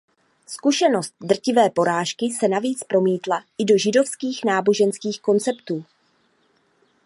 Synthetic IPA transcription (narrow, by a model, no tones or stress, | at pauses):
skuʃɛno̞st̪̚dr̩cɪvɛːpo̞ɾaːʃkɪsɛnaviːt͡spɾo̞miːt̪laʔɪdo̞ʒɪdo̞fskiːxnaːbo̞ʒɛnskiːxko̞nt͡sɛpt̪uː